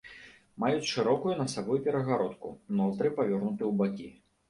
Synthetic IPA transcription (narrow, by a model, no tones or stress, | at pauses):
majut͡sʲʂɨɾɔkujunɐsabɔjupʲɛɾɐɣaɾɔt̪kṵnɔt̪ɾɨpɐvʲɔrnut̪ɨjwbakʲi